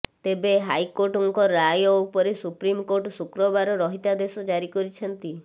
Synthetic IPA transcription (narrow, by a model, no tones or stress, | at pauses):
t̪ebeɦajkoɾʈuŋkɔɾajɔupɔɾesupɾimkoɾʈsukɾɔbaɾɔɾɔɦit̪ad̪esɔd͡ʒaɾikɔɾit͡ʃʰɔnt̪i